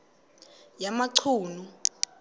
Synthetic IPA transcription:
jamaǀʰuːnu

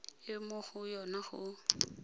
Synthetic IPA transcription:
ɪmʊχʊjɔnaχʊ̰

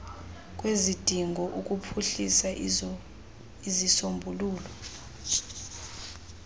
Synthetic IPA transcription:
k̬ʼwezid̥ʱiŋɡʱɔʔuk̬ʼupʰuɬisa | izisombʱuluːlɔ

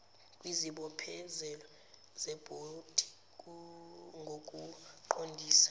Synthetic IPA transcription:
kʼwiziɓɔpʰɛzɛlɔ | zɛb̥ʱod̥ʱi | ŋʱokʼuǃondʱiːsḁ

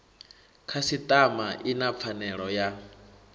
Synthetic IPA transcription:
kʰasit̪ʼamaʔinap̪fʰanɛɺɔja

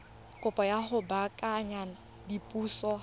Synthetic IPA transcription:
kʼʊpʼɔjaɦʊbakʼaɲana | dipʼuːsɔ

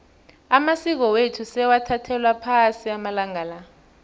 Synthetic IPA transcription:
amasik̬ɔwetʰusɛwatʰatʰɛlwapʰasiamalaŋaːla

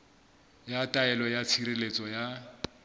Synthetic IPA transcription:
jatʼaɛlɔjat͡sʰiɾelet͡sʼɔja

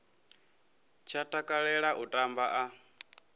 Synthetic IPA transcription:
t͡ʃʰatʼakʼaɺɛɺaʔutʼambaʔa

